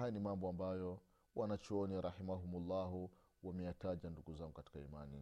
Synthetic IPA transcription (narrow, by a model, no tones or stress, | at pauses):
ajanimambɔambajɔ | wʔanat͡ʃɔɔniɾahimaɦumulːaɦu | wamɛjataʄanduɡuzaŋɡukati̥kaimanḭ